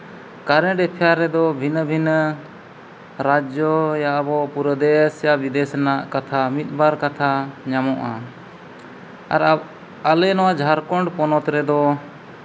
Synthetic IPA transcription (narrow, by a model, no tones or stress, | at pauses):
kaɾɛ̃ɖɛpʰjaɾɛd̪ɔbʱinbʱin | ɾad͡ʒjɔjabɔpuɾəd̪ɛsjabid̪ɛsnaʔkat̪ʰamit̪̚baɾkat̪ʰaɲamɔʔa | a̰ɾ | alɛnɔwad͡ʒʱaɾkɔɳɖpɔnɔt̪ɾɛd̪ɔ